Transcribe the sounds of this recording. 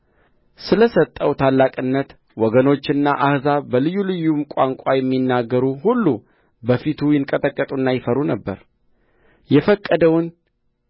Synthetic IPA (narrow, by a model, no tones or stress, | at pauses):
sɨləsət̪ʼːəwt̪ʰalːakʼɨnːət̪ | wɔɡəno̞t͡ʃːɨnːaʔahzabəlɨjːulɨjːumkʷʼaŋkʷʼajɛmːinːaɡːəɾuhulːu | bəfit̪ʰujɪŋkʼət̪ʼəkʼːət̪ʼunːajɪfəɾunəbːə̰ɾ | jɛfəkʼːəd̪əwn